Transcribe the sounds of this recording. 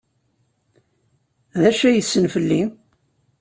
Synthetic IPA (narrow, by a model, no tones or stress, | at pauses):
ðæʃæjəsːənfəlːi